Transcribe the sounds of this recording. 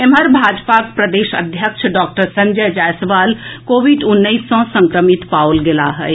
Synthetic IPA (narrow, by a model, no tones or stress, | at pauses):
eməɾbʱaːd͡ʒpak̚pɾəd̪eːʃə̰d̪ʱjəkʃʰɖɔːk̚ʈəɾsɐ̃ɲd͡ʒəd͡ʒaːsʋaːlkoːʋiɖʊnːəisːɔ̃sə̃ŋkɾəmit̪paːwlɡɪlaɦɛe